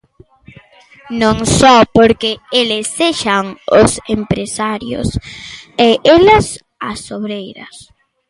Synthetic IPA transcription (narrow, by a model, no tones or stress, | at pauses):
nõŋsɔpoɾkeelɪsːeʃaŋʊsempɾesaɾjʊ̰seʔelɐs | asoβɾejɾɐ̰s